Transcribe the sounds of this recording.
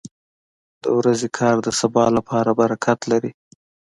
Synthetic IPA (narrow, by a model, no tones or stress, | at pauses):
d̪̥ə̰wɾazekʰɑɾd̪əsabɑlapʰɑɾabaɾakʰat̪laɾi